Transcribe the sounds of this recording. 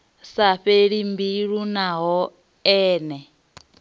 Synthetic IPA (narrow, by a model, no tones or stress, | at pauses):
saɸeɺimbiɺunaɦɔ | ɛːnɛ